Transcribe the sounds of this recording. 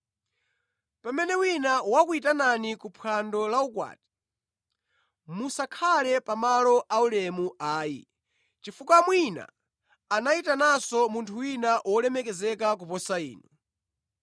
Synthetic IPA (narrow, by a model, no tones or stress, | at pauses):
pamɛnɛwinawakuitananikupʰandɔlaukwa̰ːti̥ | musakʰalɛpamalɔʔaulɛmuaːjḭ | t͡ʃifukwamwina̰ | anaitanasɔmuntʰuwinaʔwʔɔlɛmɛkɛzɛkak̬upɔsaḭːnɔ